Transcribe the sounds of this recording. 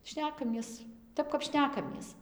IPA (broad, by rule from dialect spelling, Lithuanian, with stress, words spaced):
ˈʃʲnʲæːkɐmʲiɛs ˈtʲɛp kɐp ˈʃʲnʲæːkɐmʲiɛs